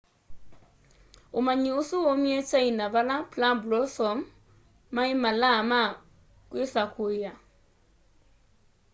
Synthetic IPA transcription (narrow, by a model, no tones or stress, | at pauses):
umaɲiusuɔmiɛt͡ʃainaβalaplablɔsɔmː | aimalama | kwisakʰuja